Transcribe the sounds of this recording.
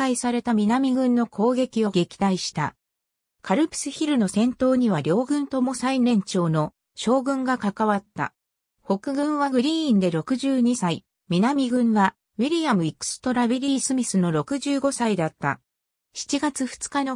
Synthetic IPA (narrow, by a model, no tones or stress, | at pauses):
kaisaɾe̞t̪amʲinamʲiɡɯ̟̃nːo̞kʰo̞ːɡe̞kʲio̞ɡe̞kʲi̥t̪aiɕi̥t̪a̰ | kaɾɯ̟pɯ̟̥sɨçiɾɯ̟no̞sẽ̞nt̪o̞ːɲ̟iβ̞aɾʲo̞ːɡɯ̟̃nt̪o̞mo̞sainẽ̞ɲ̟t͡ɕo̞ːno̞ | ɕo̞ːɡɯ̟̃ŋɡakakaβat̪ːa̰ | ho̞kɯ̟ɡɯ̟̃ɰ̃βaɡɯ̟ɾʲĩːnd̪e̞ɾo̞kɯ̟ʑɨːɲ̟isai | mʲinamʲiɡɯ̟̃ɰ̃ɡa | βiɾʲijamɯ̟ikɯ̟̥sɨ̥t̪o̞ɾaβiɾʲiːsɨmʲisɨno̞ɾo̞kɯ̟ʑɨːɡo̞said̪at̪ːa̰ | çi̥t͡ɕiɡat͡sɨɸɯ̟̥t͡sɨ̥kano